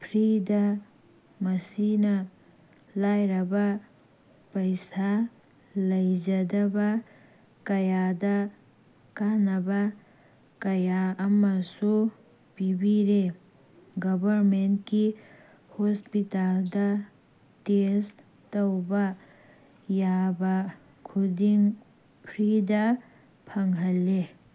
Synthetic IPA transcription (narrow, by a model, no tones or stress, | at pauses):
pʰɾidɐ | mɐsinɐ | lajɾɐbɐ | pɐjsa | lɐjd͡ʒɐdɐbɐ | kɐjadɐ | kanɐbɐ | kɐjaɐmɐsu | pibiɾe | ɡɐbʱɐɾmentki | hospitaldɐ | tes | tɐwbɐ | jabɐ | kʰudiŋ | pʰɾidɐ | pʰɐŋɦɐlːe